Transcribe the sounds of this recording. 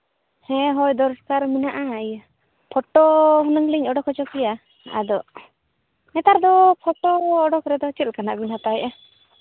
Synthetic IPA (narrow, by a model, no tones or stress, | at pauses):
hɛ̃ɦɔjd̪ɔɾskaɾminaʔaj | pʰɔʈɔɦunəŋliɲɔɖɔkhɔt͡ʃɔkija | a̰d̪ɔʔ | nɛt̪aɾd̪ɔpʰɔʈɔːɖɔkɾɛd̪ɔt͡ʃit̪̚kana̰ʔbinɦat̪aɛʔɛ